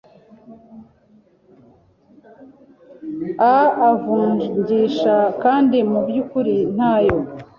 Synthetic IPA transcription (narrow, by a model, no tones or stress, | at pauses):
aavuːɲɲɟiːʃakaːndimubjukuɾin̥haːjo̞